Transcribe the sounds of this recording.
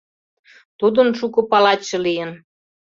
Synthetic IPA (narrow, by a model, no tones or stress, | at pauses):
t̪ud̪ənʃukŏpɑlɑt͡ɕə̆lijən